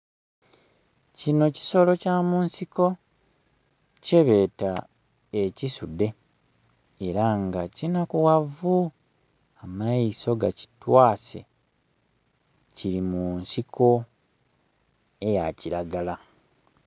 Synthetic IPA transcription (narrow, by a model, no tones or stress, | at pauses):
cino̞ci̥so̞lo̞caːmuːnsiko̞ | ce̞βe̞ta | ecisude̞ | eɾaŋɡacinakuwavu | amajiso̞ɡa̰ci̥twaːse̞̰ | ciɾimuːnsikʰo̞ | e̞ja̰ciɾaɡala